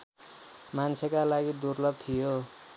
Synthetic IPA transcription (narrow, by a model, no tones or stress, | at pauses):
mant͡sʰekalaɡid̪urlʌb̚t̪ʰijo